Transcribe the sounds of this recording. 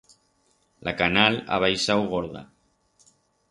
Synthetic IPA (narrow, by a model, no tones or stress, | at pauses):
lʔakanala̰β̞ajsawɣoɾða̰